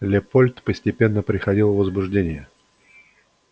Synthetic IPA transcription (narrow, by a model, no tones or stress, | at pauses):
lʲepolʲt̪pəsʲtʲɪpʲe̞nːəpɾʲɪxɐdʲilˠvəzbʊʐdʲenʲɪjə